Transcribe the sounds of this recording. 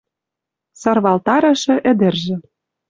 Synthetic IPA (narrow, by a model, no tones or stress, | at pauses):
sɤ̆rβɑlt̪ɑɾɤ̆ʃɤ̆ʔɘ̆d̪ɘ̆rʒɘ̆